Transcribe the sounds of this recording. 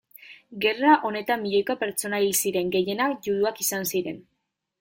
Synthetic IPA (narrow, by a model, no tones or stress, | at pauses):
ɡe̞raʔo̞ne̞t̪amːiʎo̞jkape̞ɾt͡so̞nailsiɾe̞ŋɡe̞je̞nakʝuɾuakisansiɾe̞n